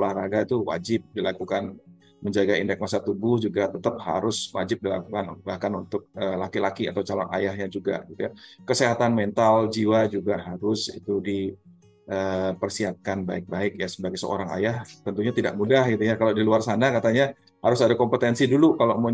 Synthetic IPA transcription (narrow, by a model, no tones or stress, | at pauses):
lahraɡat̪uwa̰d͡ʒɪp̚dilakukan | məɲd͡ʒaɡaindɛk̚masat̪ubʊhd͡ʒuɡat̪ət̪əp̚ha̰ɾʊswa̰d͡ʒɪp̚dila̰kukanbahkanunt̪ʊk̚əːlakilakiat̪awt͡ʃalɔ̰na̰jahjad͡ʒuɡa̰ɡit̪ujakəseɦat̪anmɛnt̪ald͡ʒiwad͡ʒuɡaɦaɾʊsḭt̪udi | ʔəːpərsiɦat̪̚kanbaɪk̚baɪk̚jasəbaɡajsəo̰ɾaŋa̰jaht̪ənt̪uɲat̪idaʔmudahɡit̪ujakaladiluarsanakat̪aɲa | haɾʊsadakɔmpət̪ɛnsidulukalomə